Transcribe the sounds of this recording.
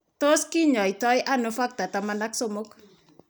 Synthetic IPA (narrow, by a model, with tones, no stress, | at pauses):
to˦skɪ˦ɲɔ˨ɪ˨tɔ˦jʔa˦nofa˦k̚ta˨tamana˦kso˦mo˦k